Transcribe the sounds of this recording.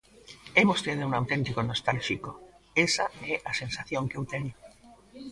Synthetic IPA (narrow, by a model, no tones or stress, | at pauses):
emost̪eðeunawt̪ent̪ikonost̪alʃiko | esaɛʔasensaθjoŋkewt̪eɲo